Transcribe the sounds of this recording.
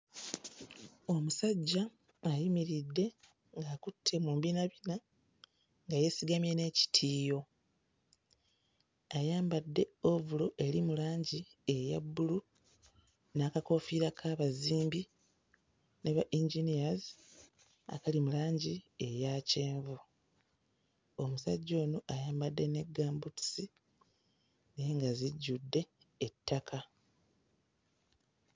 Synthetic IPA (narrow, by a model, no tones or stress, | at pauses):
o̞musaɟːaː | jimiɾidːe̞ | ŋɡaːkutʰːe̞mumbinaβina | ŋɡaje̞siɡamje̞ne̞ːci̥tʰiːjo̞ | ajaːmbadːe̞o̞vulo̞ʔe̞limulaːɲɟie̞ja̰bːulu | naːkako̞fiːɾakʰaːβaziːmbi | neβaʔiɲɟinijazi | a̰kalimulaːɲɟie̞jaːce̞ːɱvu | o̞musa̰ɟːo̞ːnoʔajaːmbadːe̞ne̞ɡːaːmbutu̥si | neŋɡaziɟːudːe̞ː | tʰːakʰa